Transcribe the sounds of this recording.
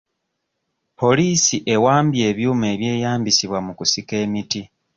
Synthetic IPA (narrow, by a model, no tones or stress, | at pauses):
po̞liːsiʔe̞waːmbje̞ːβjuːme̞ːβje̞ːjaːmbisiβwamukusike̞ːmiti